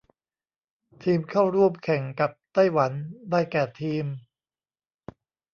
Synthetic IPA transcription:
t̪ʰiː˧mkʰa˥˩wɾu˥˩əmkʰɛ˨˩˦ŋka˨˩p̚t̪a˥˩jwa˩˦ndaː˥˩jkɛː˨˩t̪ʰiː˧m

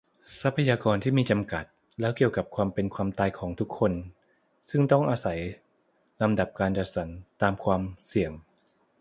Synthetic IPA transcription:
sa˦˥pʰːa˧jaː˧kɔː˧nt̪ʰiː˥˩miː˧t͡ɕa˧mka˨˩t̪̚ | lɛː˦˥wki˨˩əwka˨˩p̚kʰwaː˧mpe˧nkʰwaː˧mt̪aː˧jkʰɔː˩˦ŋt̪ʰu˦˥kʰːo˧n | sɯ˥˩ŋt̪ɔ˥˩ŋʔaː˧sa˩˦j | la˧mda˨˩p̚kaː˧nt͡ɕa˨˩t̪̚sa˩˦nt̪aː˧mkʰwaː˧msi˨˩əŋ

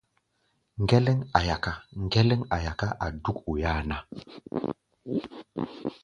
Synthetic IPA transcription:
ŋ˨ɡe˦lɛ˦ŋa˨ja˨ka˦ŋ˦ɡe˦le˦ŋa˨ja˨ka˦ʔa˨du˦ku˨ja˦na˦

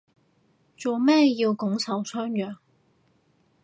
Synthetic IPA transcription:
t͡so˨˩wmɛː˥ji˧wkʊ˨˥ŋt͡sʰɐ˨˥wt͡sʰœː˥ŋjœː˨˩ŋ

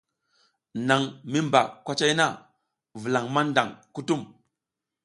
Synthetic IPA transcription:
na˨ŋmi˦mba̰˨kʷa˦t͡ʃa˦jna˦ | və˨la˨ŋma˦nda˨ŋku˦tu˦m

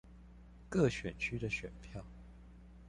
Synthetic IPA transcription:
kɤ˥˨ɕɥɛ˨˩nt͡ɕʰy˥d̪ə˨ɕɥɛ̰˨˩npʰjɑ˥˨ʊ

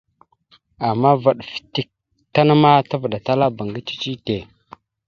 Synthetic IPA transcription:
a˨mːa˦va˨ɗfi̥˨ti˦k̚ | ta˦na˦ma˦ta˦və˨ɗa˨ta˦la˦ba˨ŋɡi˦t͡ʃi̥˦t͡ʃi˦te˨

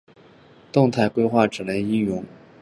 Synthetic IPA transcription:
t̪ʊ˥˧ŋt̪ʰa˥˩ɪkwe˥ɪxwa˥˩ʈ͡ʂɻ̩˨˩le˧˥˩ɪi˥˩jʊ˧˥ŋ

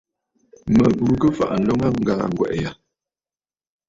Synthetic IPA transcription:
mə˨bu˨kə˦fa̰˦˨ʔn̩˨lɔ˦ŋa˦ŋ̩˨ɡa̰ː˨ŋ˨ɡwɛ̰˨ʔja˨

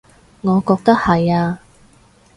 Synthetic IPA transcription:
ŋɔː˨˧kɔː˧k̚t̪ɐ˥k̚hɐ˨jaː˧

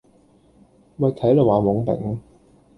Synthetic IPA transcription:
mɐ˨˧t̪ʰɐ˨˥jlo˨˩waː˨˧mʊ˨˥ŋpɛ̰˨˥ŋ

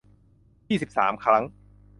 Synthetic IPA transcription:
jiː˥˩si˨˩p̚sa̰ː˩˦mkʰɾa˦˥ŋ

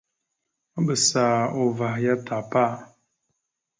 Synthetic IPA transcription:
bə˨saː˨o˨va˨hja˦ta˨pa˦˨

